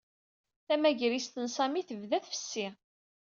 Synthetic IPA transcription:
θæmæʝɾist̪ənsɑmiθəvðæθfə̥sːi

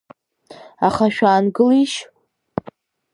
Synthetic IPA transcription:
aχaʃᶣaːnɡɨliʃ

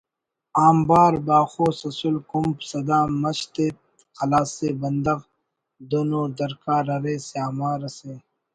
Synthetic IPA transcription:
aːmbaːɾbaːxoːsɐsulkumpsɐd̪aːmɐɕt̪eːt̪ | qɐlaːsebɐnd̪ɐɣ | d̪onoːd̪ɐɾkaːɾɐɾeːseaːmaːɾɐseː

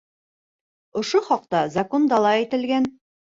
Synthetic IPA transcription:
ŏʃoχɒq̚t̪ɑzɑkond̪ɑlˠɑit̪ɘ̆lɡæn

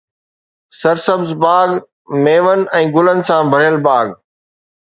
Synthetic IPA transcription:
sɐɾsəbzbaːɡ | meːʋənɪ̆ɛ̃ːɡʊlənɪ̆sãbʱɐɾijəlbaːɡ

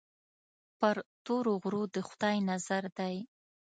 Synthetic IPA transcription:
pəɾt̪oɾoɣɾod̪əxʊd̪ɑjnazaɾd̪aj

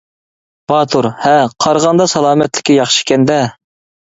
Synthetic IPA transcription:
b̥ɑːt̪ʰuɾhɛqʰɑɾʁɑnd̪ɑsɑlˠɑːmɛt̪lɪ̥kʲijɑχʃɪ̥kʲɛnd̪ɛ

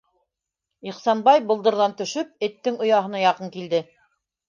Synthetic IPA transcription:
iχsɑnbɑjbŏlˠd̪ɤ̆ɾðɑnt̪ɵ̆ʃɵp̚ɘ̆t̪ːɘŋŏjɑɦɤ̆nɑjɑqɤŋkild̪ɘ

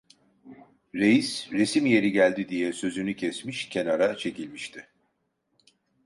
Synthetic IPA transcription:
ɾe̞jisɾe̞simje̞ɾiɟælʲd̪id̪ijɛsø̞zynycʰɛsmiʃcʰe̞naɾat͡ʃʰe̞cilʲmiʃt̪ʰɪ

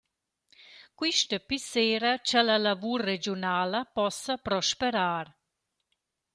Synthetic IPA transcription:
kwiʃt̪əpiseːɾat͡ʃalalavuɾːed͡ʒionaːləpɔsapɾɔʃpeɾaːɾ

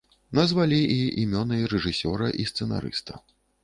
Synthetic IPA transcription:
nɐzvalʲiiʔimʲɔnɨjɾɛʐɨsʲɔɾɐʔist̪sɛna̰ɾɨ̰st̪ɐ̥

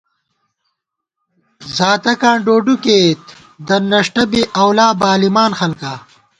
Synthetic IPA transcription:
zaːt̪ɐkãːɳɖoːɖukeːt̪ | d̪ɐnɐʂʈɐbiʔɐwlaːbaːlimaːnxɐlka

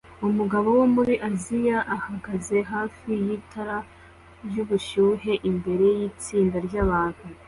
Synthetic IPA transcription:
umuɡaβo̞wo̞muɾiʔazijaʔːhaɡaze̞ɦaːfijitʰaɾa | ɾjuβuʃuːɦe̞ʔimbe̞ɾe̞jiːt͡siːndaɾɟjaβaːβu

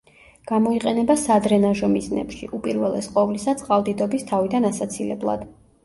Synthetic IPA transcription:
ɡ̥amɔiqʼɛnɛbasad̪ɾɛnaʒɔmiznɛ̰pʃḭʔupʼiɾvɛlˠɛ̰sqʼɔvlisat̪sʼqʼalˠd̪id̪ɔbist̪ʰavid̪anasat̪sʰilɛblˠa̰d̪̥

